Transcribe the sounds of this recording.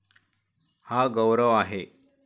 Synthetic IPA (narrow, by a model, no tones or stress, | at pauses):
haɡəwɾəʋaɦe